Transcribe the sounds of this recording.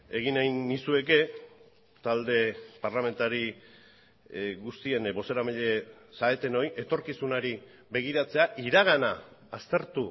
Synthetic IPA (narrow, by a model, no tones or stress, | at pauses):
e̞ɣinajnːisue̞ke̞ | t̪ald̪e̞paɾlame̞nt̪aɾi | ɣust̪ie̞nbo̞se̞ɾamiʎesae̞t̪e̞no̞jʔe̞t̪o̞ɾkisunaɾi | be̞ɣ̞iɾat͡se̞aʔiɾaɣ̞anaːst̪e̞ɾt̪u